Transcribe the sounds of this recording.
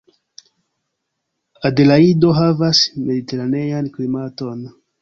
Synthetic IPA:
adelaido̞ɦavasme̞dite̞ɾane̞janklimato̞n

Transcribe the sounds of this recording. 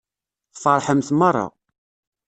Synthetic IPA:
θfəɾˤħəmθmɑrˤːɑ̰

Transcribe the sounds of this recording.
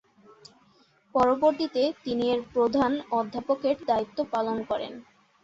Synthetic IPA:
pɔɾoboɾt̪it̪et̪inieɾpɾod̪ʱanɔd̪ʱːapokeʈd̪ait̪ːopalonkɔɾḛn

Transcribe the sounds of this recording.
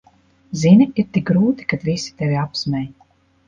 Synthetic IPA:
ziniiɾt̪ik̚ɡɾuːt̪i̥kad̪visi̥t̪ɛvʲiapsmʲɛj

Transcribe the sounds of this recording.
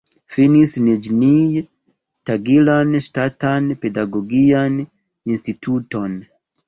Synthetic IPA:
finisned͡ʒinij | taɡilanstatanpedaɡoɡian | institʰuton

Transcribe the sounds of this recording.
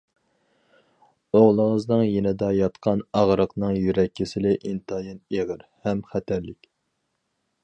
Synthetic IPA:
oʁlˠəŋəznɨŋjenɪd̪ɑjɑt̪qʰɑnɑʁɾəqnɨŋjyɾɛkʲːɪsɪlɪʔint̪ʰɑjineʁəɾhɛmχæt̪ʰæɾlɪkʲ

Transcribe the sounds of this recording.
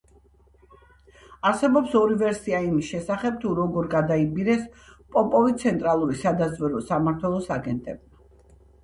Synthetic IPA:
aɾsɛbɔpsɔɾivɛɾsiaimisʃɛsaχɛb̚t̪ʰuɾɔɡɔɾɡad̪aibiɾɛspʼɔpʼɔvit̪sʰɛnt̪ʼɾalˠuɾisad̪azvɛɾɔsamaɾt̪ʰwɛlˠɔsaɡɛnt̪ʼɛbma

